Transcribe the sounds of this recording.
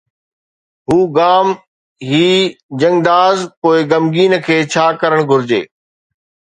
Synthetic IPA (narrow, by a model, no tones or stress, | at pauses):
ɦuːɡaːm | ɦiːd͡ʑɐ̃ŋd̪aːzpoːɪɡɐmɡiːnə̆kʰeːt͡ɕʰaːkɐɾəɽ̃ɡʱʊɾɪd͡ʑḛː